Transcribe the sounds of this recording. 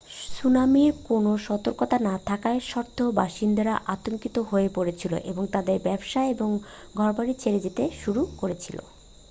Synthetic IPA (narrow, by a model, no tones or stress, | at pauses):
sunamiɾkonoʃɔt̪oɾkot̪anat̪ʰakaeʃɔɾt̪ʰːoba̰ʃind̪aɾaʔat̪oŋkit̪oɦoepoɾet͡ɕʰilo̰ʔeboŋt̪ad̪eɾbɛbʃaeeboŋ | ɡʱɔɾbaɾit͡ɕʰeɾed͡ʑet̪eʃuɾukoɾet͡ɕʰilo̰